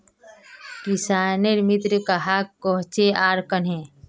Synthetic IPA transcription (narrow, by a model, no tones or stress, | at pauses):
kisaːneɾmit̪ɾəkaɦaːkːoɦt͡ʃeaːɾkənɦẽː